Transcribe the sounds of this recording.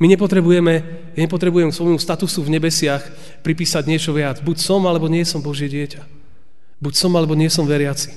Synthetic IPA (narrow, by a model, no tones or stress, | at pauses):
miɲɛpɔt̪ɾɛbujɛmɛ | jaɲɛpɔt̪ɾɛbujɛmsʋɔjmust̪at̪usuvɲɛbɛsɪax | pɾipiːsaɟɲɪɛt͡ʃɔʋɪad͡zbucsɔmalɛbɔɲɪɛsɔmbɔʒɪɛɟɪɛca | bucsɔmalɛbɔɲɪɛsɔmʋɛɾɪat͡si̥